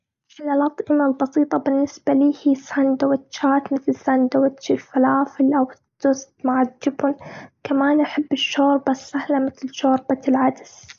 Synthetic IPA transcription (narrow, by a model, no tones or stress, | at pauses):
fɪlalɑt̪ˤʔɪmalbɑsiːt̪ˤɑbɪnːɪsb̥aliːhiːsand̪awɪt̪t͡ʃːaːt̪mɪθlsand̪awat̪t͡ʃɪlfalaːfɪlʔawɪd̪ːʊst̪maʕadːɪbʊnkamaːnʔaħɪbːɪʃːoːɾbasahlamɪθlʃoːɾˤbalʕad̪s